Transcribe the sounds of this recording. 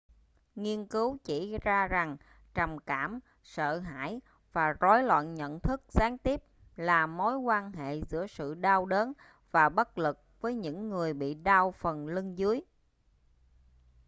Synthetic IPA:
ŋi˧ənkɨ˨˦wt͡ɕi˧˩zaː˧za˨˩ŋ | t͡ɕə˨˩mkaː˧˩m | sə̰ː˧˨ɦa̰ː˧˥˨j | vaː˨˩zɔ˨˦jlwa̰ː˧˨nɲə̰˧˨nt̪ʰɨ˦˥k̚zaː˨˦ŋt̪i˦˥əp̚ | laː˨˩mo˨˦jkwaː˧nɦḛ˧˨zɨ̰˧˥əsɨ̰˧˨ɗaː˧wɗəː˨˦n | vaː˨˩ɓə˦˥t̚lɨ˨˩k̚vəː˨˦jɲɨ̰˧˥ŋːɨ˨˩əjɓḭ˧˨ɗaː˧wfə˨˩nlɨ˧ŋzɨ˨˦əj

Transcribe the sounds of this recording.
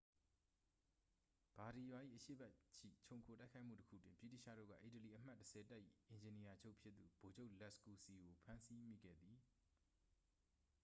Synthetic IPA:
b̥a˨ɾi˨jwa˨ʔḭ˦˨ʔəʃḛ˦˨bɛ˦t͡ɕʰḭ˦˨t͡ɕʰõ˨ʊ̃ŋkʰo˨ta˦ɪkʰa˦ɪʔm̥ṵ˦˨təkʰṵ˦˨twɪ̃˨mpjḭ˦˨tḭ˦˨ʃä̰˦˨do̰˦˨ɡa̰˦˨ʔi˨təli˨ʔəm̥a˦˨tːəsɛ˨ta˦ʔjḭ˦˨ʔɪ̃˨ɲd͡ʑɪ̃˨ni˨ja˨d͡ʑo˦ʊʔpʰjɪ˦t̪t̪ːu˨bo˨d͡ʑo˦ʔlɛ˦˨sku˨si˨ɡo˨pʰã˦nsi˦mḭ˦˨ɡɛ̰˦˨d̪ði˨

